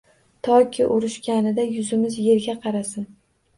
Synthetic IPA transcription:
t̪ʰɒkʲʰɪʔʊɾɪʃkʲanɪd̪ajʊzɪmɪzje̞ɾɡʲaqʰɑɾasɪn

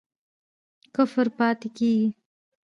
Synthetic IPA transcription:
kʊfɾpɑːt̪ekeːɡi

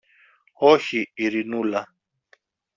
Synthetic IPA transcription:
ɔçiiɾinula

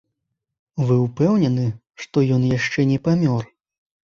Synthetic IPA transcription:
vɨupɛwnʲɛnɨ | ʂt̪ɔjɔnjaʂt͡ʂɛnʲɛpamʲɔr

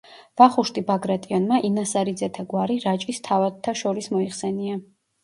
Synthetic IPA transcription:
v̥aχuʃt̪ʼibaɡɾat̪ʼiɔnmaʔinasaɾid̪zɛt̪ʰaɡwaɾiɾat͡ʃʼist̪ʰavad̪t̪ʰːaʃɔɾismɔiχsɛnia

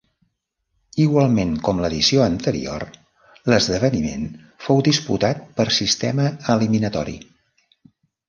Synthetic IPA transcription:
iɣwalˠmeŋkɔmləðisioənt̪əɾḭo̰r | ləzðəβ̞ənimḛn | fowd̪ispṵt̪at̪̚pəɾsist̪ɛməəliminət̪ɔɾḭ

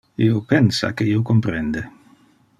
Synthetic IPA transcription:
ḭopensa̰keiokompɾend̪e

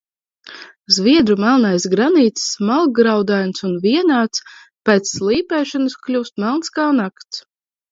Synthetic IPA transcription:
zviɛd̪ɾumalˠnajsɡɾaniːt̪ssmalˠɡɾawd̪ajnsunviɛnaːt̪s | pɛːt̪sːlˠiːpɛːʃɔnɨsklʲuːst̪malˠnskaːnakt̪s

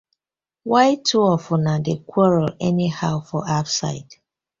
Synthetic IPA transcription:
waɪtʰuɔfɔnadekʰwɔɹɔlɛnihaʊfɔʔafsa̰ɪt

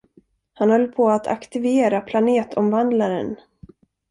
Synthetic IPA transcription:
hanhœlːpʰɔat̪ʰa̰kt̪ɪveːɾapʰlaneːt̪ʰɔmvand̪laɾə̰n

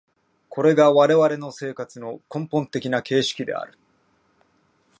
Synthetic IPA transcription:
kʰo̞ɾe̞ɡaβaɾe̞βaɾe̞no̞se̞ːkat͡sɨno̞kõ̞mpõnt̪e̞kʲinake̞ːɕi̥kʲid̪e̞̰a̰ɾɯ̟

